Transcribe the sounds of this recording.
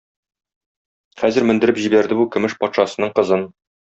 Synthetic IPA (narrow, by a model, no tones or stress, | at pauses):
χæzɘɾmɘ̆nd̪ɘ̆ɾɘpʑibæɾd̪ɘbukɵ̆mɘʃpɒt̪ʃɑsɤ̆nɤɴqɤ̆zɤn